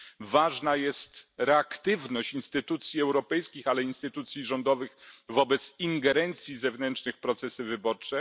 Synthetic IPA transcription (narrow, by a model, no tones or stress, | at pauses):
vaʐnajɛst̪ɾɛakt̪ɘvnɔɕt͡ɕinst̪ɘt̪ut̪sʲjiɛwɾɔpɛjskʲixalɛinst̪ɘt̪ut̪sʲjiʐɔnd̪ɔvɘxvɔbɛt̪siŋɡɛɾɛnt̪sʲjizɛvnɛntt͡ʂnɘxpɾɔt̪sɛsɘvɘbɔɾt͡ʂɛ